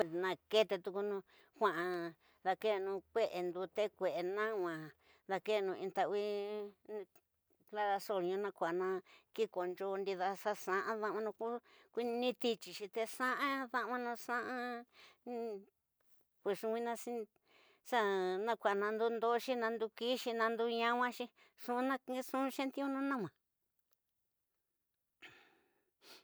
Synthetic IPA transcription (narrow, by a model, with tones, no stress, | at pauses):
e˧nã˧ke˦t̪e˧t̪u˧ku˧nũ˧ | kʷã˧˨ʔã˧ | ða˧ke˦˧nũ˧kʷe˦ʔe˨nd̪u˧t̪e˦kʷe˨ʔe˧nã˦wʷã˨ | ða˧ke˦˧nũ˧ĩ˧t̪a˧ʔβi˦˧ | kla˧ɾa˧so˧˨ɾɲũ˧nã˧kʷa˨nã˧ki˦ko˨nd͡ʒo˧nd̪i˧ða˧sa˦sã˧ʔã˦ðã˦˧ʔã˧nũ˧ku˦kʷi˦˧nĩ˧t̪i˧t͡ʃi˨ʃĩ˧t̪e˧sã˦ʔã˦ðã˧ʔã˧nũ˧sã˦ʔã˧ | kʷu˧ʂũ˧kʷi˧nã˧si˦˧ | sa˦nã˧kʷa˨nã˧nd̪u˦nd̪o˦˧ʃi˦nã˧nd̪u˧ki˦ʃi˧nã˧nd̪u˧˦ɲã˧wã˦ʃi˧ | ʂũ˧nã˦˧ksũ˦˧ʃẽ˦nt̪i˦ũ˦˧nũ˦nã˦mã˨